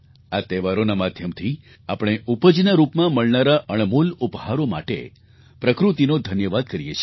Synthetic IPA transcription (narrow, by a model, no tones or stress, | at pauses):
at̪ɛʋaɾonamad̪ʱjəmt̪ʰi | apɽ̃eʔupəd͡ʒnaɾupmãməɭnaɾaʔəɳemulupɦaɾoma̰ʈḛ | pɾəkɾut̪inod̪ʱənjəʋad̪̚kəɾijet͡ʃʰi